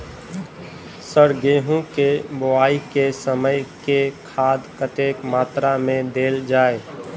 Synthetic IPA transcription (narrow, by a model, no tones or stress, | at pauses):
səɾɡeːɦũkebʊaːikesəməjkekʰaːd̪kət̪eːkmaːt̪ɾamẽd̪eːld͡ʒaːe